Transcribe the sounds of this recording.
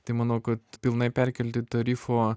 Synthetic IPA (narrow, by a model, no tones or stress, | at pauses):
t̪ɐɪmɑːnɐʊkɐt̪pʲɪlˠnɐɪpʲɛɾʲkʲɛlʲt̪ʲɪt̪ɐɾʲiːfoː